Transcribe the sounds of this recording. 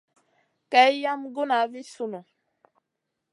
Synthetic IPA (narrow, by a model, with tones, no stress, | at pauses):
ka˨˦jja˦mɡu˦na˨˦vi˦su˦˨nu˨